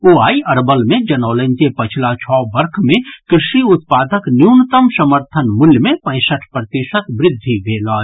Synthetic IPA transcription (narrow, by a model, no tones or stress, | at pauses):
oːaːiʔɐɾbəlmẽd͡ʒɐnɔːlə̃nkepɐt͡ʃʰlat͡ʃʰɔːbɐɾkʰmẽkɾɪʃiʊt̪̚paːd̪əknjuːnt̪əmsəməɾt̪ʰənmʊljəmẽpə̃ɪ̃səʈʰpɾət̪iʃət̪ʋɾɪd̪ʱːibʱeːlaː